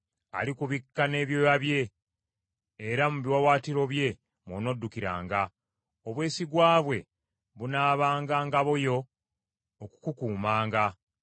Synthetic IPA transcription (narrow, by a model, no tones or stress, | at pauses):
a̰likuβikːane̞ːβjojaβje̞ | ɾamuβiwawaːtiɾo̞βje̞ | mwono̞dːukiɾa̰ːŋɡa | oβwe̞ːsiɡwaːβwe̞ | βunaːβaːŋɡaːŋɡaβojo̞ː | ku̥kukuːmaːŋɡa